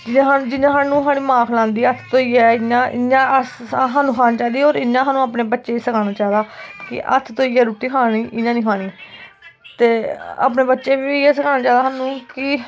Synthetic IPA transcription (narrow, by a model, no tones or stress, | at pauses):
d͡ʒɪãːɦãːd͡ʒɪnãːɦaːnũːɦaːɽ̃ĩːmãːkʰlãːnd̪iːət̪ʰt̪oːiːɛːɪãːʔɪ̰ɲãːsɦaːnũːkʰaːnːt͡ʃaːd̪iːoːɾɪnːãːɦãːnũːaːpneːbətːʃeːiːsəkʰaːɽ̃aːt͡ʃaːd̪aːkɪ̰ʔə̰t̪ʰt̪oːiːɛːɾuːʈiːkʰaːɽ̃iːʔɪnãːnĩːkʰaːɽ̃iː | t̪eːa̰ːpneːbətːʃeːʋiːɛːsəkʰaːnaːt͡ʃaːd̪aːɦaːnũːkɪ